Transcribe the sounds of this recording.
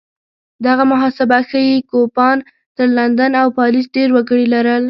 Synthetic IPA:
d̪aɣamʊɦɑsɪbaxəjekopɑn | t̪əɾland̪anawpɑlisɖeɾwaɡəɽilaɾəl

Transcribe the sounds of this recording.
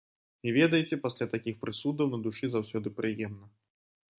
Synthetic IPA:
ivʲɛd̪ɐjit͡sʲɛpasʲlʲat̪akʲixpɾɨsud̪ɐwnɐd̪uʂɨzawsʲɔd̪ɨpɾɨjɛmnɐ

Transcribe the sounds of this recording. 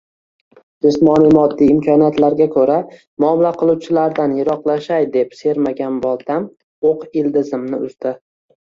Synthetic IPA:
d͡ʒɪsmɒnijmɒd̪ːijɪmkʰʲɒnijat̪laɾɡʲakʰɵɾa | mʊɒmɪlaqʰɨlˠuwt͡ʃʰɪlaɾd̪anjɪɾɒqlˠaʃajd̪e̞pse̞ɾmaɡʲanbɒlˠt̪ʰam | oqɪld̪ɪzɪmnɪʊzd̪ɪ

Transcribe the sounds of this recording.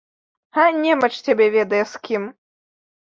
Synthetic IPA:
anʲɛmɐt͡ʂt͡sʲabʲɛvʲɛd̪ɐjɛskʲim

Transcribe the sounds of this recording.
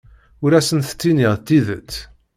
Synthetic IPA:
ʊɾæsənθə̥t͡sːiniʁt̪ːiðət͡sː

